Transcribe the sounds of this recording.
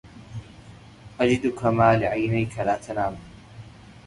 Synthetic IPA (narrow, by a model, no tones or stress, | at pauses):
ʔad͡ʒɪd̪kamaːlɪʕajnajkʰalaːt̪ʰanaːm